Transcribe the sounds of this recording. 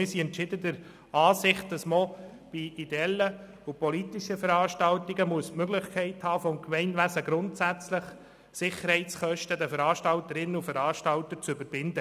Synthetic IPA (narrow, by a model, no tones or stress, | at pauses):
ɪɾsiɛntt͡ʃɪdədəɾ | ɑːsɪχt̚dɑsmɔ | b̥iideɛlːə | upɔlitɪʃəfəɾɑːʃtɑltiɡəmuəsmøɡlɪχkʰɛɪthɑːfɔmkmɛɪnʋæsəɡɾʊntsæt͡slɪχ | sɪχəɾhɛɪtt͡sχœʃtədəfəɾɑːʃtɑltəɾɪnːəufəɾɑːʃtɑltəɾt͡sʏbəɾbɪndə